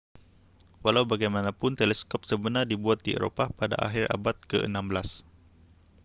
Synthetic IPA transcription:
walawbaɡajmanãpʊnt̪elɛskɔp̚səbənardibuat̪̚diḛɾo̰papada̰ʔa̰ɦirʔa̰bat̪̚kəʔə̰nãmbəlas

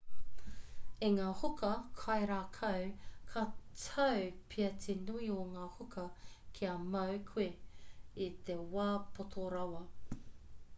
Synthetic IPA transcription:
iŋaːhokɐkʰɐjɾaːkʰɐwkʰɐtʰɐwpʰiɐtʰenuioŋaːhokʰɐkʰiɐmɐwkʰue | it̪ewaːpʰot̪ʰoɾɐwɐ

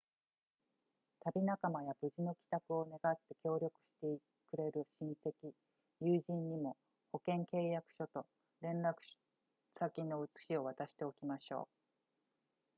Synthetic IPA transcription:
t̪abʲinakamajabɯ̟ʑino̞kʲi̥t̪akɯ̟o̞ne̞ɡat̪ːe̞kʲo̞ːɾʲjo̞kɯ̟̥ɕi̥t̪ei | kɯ̟ɾe̞ɾɯ̟ɕĩɰ̃se̞kʲi | jɯːʑĩɲɲimo̞ | ho̞kẽ̞ŋke̞ːjakɯ̟̥ɕo̞t̪o̞ | ɾẽ̞nɾakɯ̥ | sakʲino̞ɯ̟t͡sɨ̥ɕio̞β̞at̪aɕi̥t̪e̞o̞kʲimaɕo̞̰ː

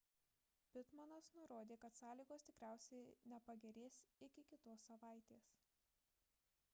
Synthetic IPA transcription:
pʲɪt̪mɐnɐsnʊɾoːd̪ʲeːkɐt̪sɑːlʲiːɡoːst̪ʲɪkɾʲæˑʊsʲɛɪnʲɛpɐɡʲɛɾʲeːsɪkʲɪkʲɪt̪oːsːɐʋɑˑɪt̪ʲeːs

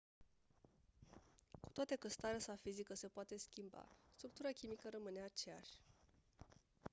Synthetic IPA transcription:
ku̥t̪oat̪ekəst̪aɾeasafizikəse̞poat̪e̞skʲimba̰st̪ɾuk̚t̪uɾakʲimikəɾəmɨneat͡ʃea̰ʃʲ

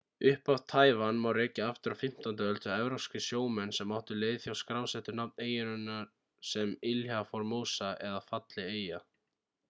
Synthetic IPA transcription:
ʏhpavt̪ʰaːjvanmawrɛːcaaft̪ʏɾafɪm̥t̪ant̪ɪœlt̪ʰɪaɛvɾowscɪsjoːwmɛnːsɛmːawht̪ʏleːjðθjawskɾawsɛht̪ʏnapneːjɪnʏnːaɾ | sɛmɪlhafɔɾmoːwsaʔɛðafat̪lɪeːja

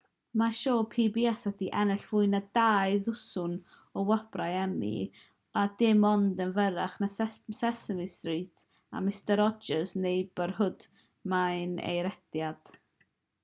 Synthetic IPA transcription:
maʃoːpʰiːbiɛswɛdiʔɛnɛɬv̥ʊɨnadajðʊsʊn | ɔwɔb̥rajɛmḭ | adɪmɔndənvəɾaχnasɛssɛsənistriːtʰ | a̰mɪstəɾɔd͡ʒəsnejbərɦʊd | majnḛjɾɛdjad̥

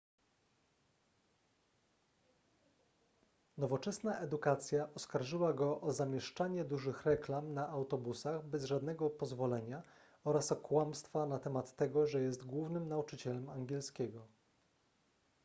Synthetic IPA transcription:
nɔvɔt͡ʂɛsnaʔɛd̪ukat̪sʲjaʔɔskaɾʐɘwaɡɔʔɔzamʲjɛʂt͡ʂaɲɛd̪uʐɘxɾɛklamnaʔawt̪ɔbusaɣbɛzʐad̪nɛɡɔpɔzvɔlɛɲa | ɔɾasɔkwamst̪fanat̪ɛmat̪ːɛɡɔʐɛjɛst̪ɡwuvnɘmnaut͡ʂɘt͡ɕɛlɛmaŋɡʲjɛlskʲɛɡɔ

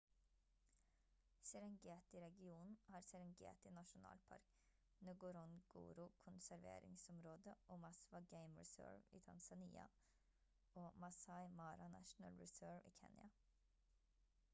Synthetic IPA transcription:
sɛɾɛŋɡeːt̪ɪɾɛɡɪuːnn̩hɑːɾsɛɾɛŋɡḛːt̪ɪnɑʃʊnɑ̰ːlpʰɑ̰ɾk | nøɡʊɾɔnɡṵːɾʊkʰʊnsæɾʋḛːɾɪ̰ŋsɔmɾoːd̪əʔoːmɑsʋɑɡeɪmɹɪsø̰ːɹʋḭːt̪ʰɑnsɑniːɑ̰ | oːmɑsɑɪmɑːɾɑnæ̰ʃn̩ə̰lɹɛsøːʋiːkʰɛnjɑ

